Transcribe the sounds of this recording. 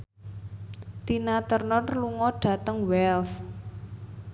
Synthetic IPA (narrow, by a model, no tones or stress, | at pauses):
t̪inat̪ərnɔnluŋɔɖ̥ä̤t̪əŋwɛls